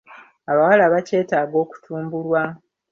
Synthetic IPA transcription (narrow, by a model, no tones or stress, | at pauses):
aβawalaβace̞ːtaːɡo̞ːku̥tʰuːmbulwa